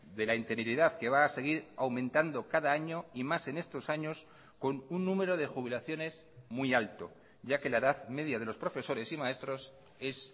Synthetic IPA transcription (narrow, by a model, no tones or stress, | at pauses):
d̪e̞laint̪eniɾiðaðke̞β̞aːse̞ɣ̞iɾawmẽnt̪and̪o̞kaðaaɲo̞imase̞ne̞st̪o̞saɲo̞s | ko̞nunːũme̞ɾo̞ð̞e̞xuβ̞ilaθjo̞ne̞s | mijalt̪o̞ | ʝake̞laeðaðme̞ðjað̞e̞lo̞spɾo̞fe̞so̞ɾe̞simae̞st̪ɾo̞s | e̞s